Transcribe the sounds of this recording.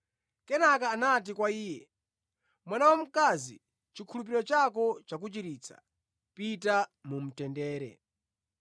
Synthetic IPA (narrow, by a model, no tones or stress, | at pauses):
kɛnakaːnat̬ikwaiːjɛ | mwanawɔm̩kazḭ | t͡ʃikʰulup̬iɾɔt͡ʃakɔt͡ʃak̬ut͡ʃiɾiːt͡sʰḁ̰ | pit̬amum̩tɛndɛːɾɛ̰